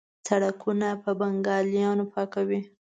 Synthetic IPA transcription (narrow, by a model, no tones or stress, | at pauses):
saɽakʰunapəbaŋɡɑljɑnopʰɑkawi